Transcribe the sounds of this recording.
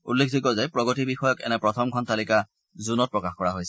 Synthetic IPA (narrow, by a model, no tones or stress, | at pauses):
ṵlːekʰzikɔzɛpɹɔɡɔtibixɔjɔkɛ̰nɛpɹɔtʰɔmkʰɔntalika | zunɔt̚pɹɔkaxkɔɹaɦojsɛ